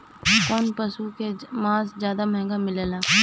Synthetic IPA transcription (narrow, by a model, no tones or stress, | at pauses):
koːnpəsukemãːszjaːd̪amɛɦɛ̃ŋɡamɪləlaː